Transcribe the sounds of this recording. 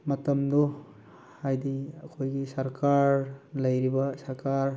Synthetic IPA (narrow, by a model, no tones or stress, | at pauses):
mɐtɐmdu | hajdiɐkʰojɡisɐɾkʰaɾlɐjɾibɐsɐɾkaɾ